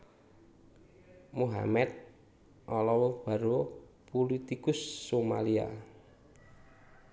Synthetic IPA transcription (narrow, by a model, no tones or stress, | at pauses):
muɦa̰mɛt̪̚ | ʔɔlɔwɔb̥a̤ɾo | pulit̪ikʊsːoma̰lia̰